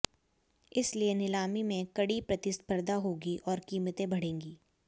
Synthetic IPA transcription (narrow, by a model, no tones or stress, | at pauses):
ɪslienɪlaːmimẽkɐɽipɾɐt̪ɪspəɾd̪aɦoːɡiʔɔːɾkiːmət̪ẽbɐɽ̤ẽːŋɡiː